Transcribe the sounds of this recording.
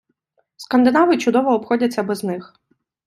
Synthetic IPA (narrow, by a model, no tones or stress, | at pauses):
skɐnd̪ɪnɑʋɪt͡ʃʊd̪ɔʋɔːpxɔdʲɐt͡sʲːɐbɛznɪx